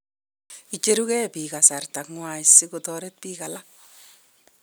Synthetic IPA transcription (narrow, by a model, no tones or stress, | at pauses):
it͡ʃeɾukɛpiːkasartakŋwaisɪkotɔɾet̚piːkala